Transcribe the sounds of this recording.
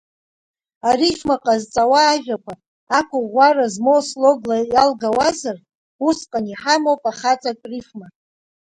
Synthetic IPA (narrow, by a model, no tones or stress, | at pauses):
arifmaqʼazt͡sʼawaːʒᶣakʷa | akʷʊʁʷarazmowsloɡlajalɡawazar | usqʼaniħamowpʼaχat͡sʼakʼrifma